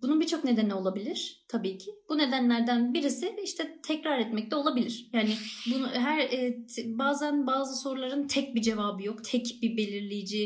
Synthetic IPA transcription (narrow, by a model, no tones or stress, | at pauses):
b̥ununbit͡ʃʰo̞kne̞d̪enio̞lˠabilʲiɾ̥t̪ʰabiːcʰɪb̥une̞d̪ænlʲæɾd̪ænbiɾisɪiʃt̪ʰɛt̪ʰɛcɾaɾɛt̪mɛc̚t̪ʰɛo̞lˠabilʲiɾ̥jaːnɪbunɦæɾɛːbaːzænbaːzɯso̞ɾulˠaɾɯnt̪ʰɛc̚bid͡ʒe̞vaːbɯjo̞kt̪ʰɛcbibe̞lʲiɾlʲijid͡ʒi